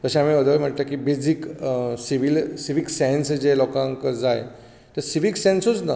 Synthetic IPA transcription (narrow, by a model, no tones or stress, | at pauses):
t̪əɕaamiəd̪əʋəm̤əʈt̪akibed͡ziksiʋilsiʋiksɛ̃nsd͡ʑelɔkãŋkəd͡zajḛ | t̪əɾsiʋiksẽnsut͡sna